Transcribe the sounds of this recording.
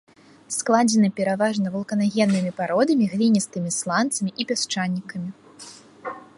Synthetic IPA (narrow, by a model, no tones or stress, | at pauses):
sklˠad͡zʲɛnɨpʲɛɾavaʐnɐvulˠkɐnaɣʲɛnːɨmʲipaɾɔd̪ɐmʲiɣlʲinʲist̪ɨmʲislˠant̪sɐmʲiʔipʲast͡ʂanʲːikɐmʲi